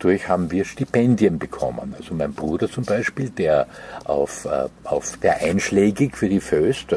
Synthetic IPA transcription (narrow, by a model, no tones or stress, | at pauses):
d̥ʊɐçhaːbm̩viːɐʃtipɛndjənbəkʰɔ̰mə̰nalzomæɪnb̥ʁuːdɐt͡sʊmbæɪʃpiːld̥eːɐʔa̰ʊfʔaʊfseːɐʔæɪnʃleːɡɪçfyːɐdiføst